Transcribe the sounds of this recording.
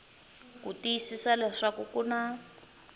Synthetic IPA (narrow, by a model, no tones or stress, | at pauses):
kutijisisalɛʂakukuna